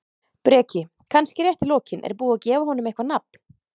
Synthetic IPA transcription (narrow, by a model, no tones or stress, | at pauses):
pɾɛːcɪ | kʰanscɪɾjɛht̪ɪlɔːcɪnɛ̰ɾpuːacɛːvaɦɔːnʏmejhkvanap̚n̥